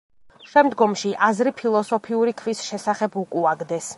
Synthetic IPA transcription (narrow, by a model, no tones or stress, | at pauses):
ʃɛmd̪ɡɔmʃiʔazɾipʰilˠɔsɔpʰiuɾikʰvisʃɛsaχɛbukʼuaɡd̪ɛs